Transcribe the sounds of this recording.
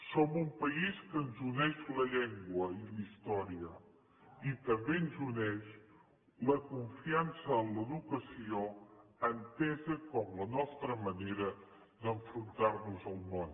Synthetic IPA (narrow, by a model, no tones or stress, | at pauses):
somumpəiskənzunɛʃləʎɛŋɡwəilist̪ɔɾiə | it̪əmbeənzunɛʃ | ləkuɱfiansəːnləðukəsioənt̪ɛzəkɔmlənɔst̪ɾəməneɾə | d̪əɱfɾunt̪arnuzəlˠmon